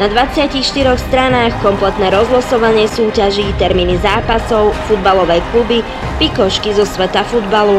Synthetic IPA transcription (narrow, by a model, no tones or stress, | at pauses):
nad̪ʋat͡sɪacixʃt̪iɾɔxst̪ɾanaːxkɔmplɛt̪nɛːɾɔzɦlɔsɔʋaɲɪɛsuːcaʒiːt̪ɛɾmiːnizaːpasɔʊfud̪balɔʋɛjklubi | pikɔʃkizɔsʋɛt̪afud̪balu